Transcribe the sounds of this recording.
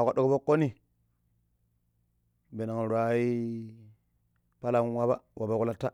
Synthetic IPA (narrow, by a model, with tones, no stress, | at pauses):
ka˨ɗo˨ko˦bo˦kːo˦ni˨ | be˨na˨ŋ˨ɾʷa˨˦i˦ | pa˦la˨ŋ˦wa˦ba̰˦wʔa˨ba˨ku˦la˦tːa˦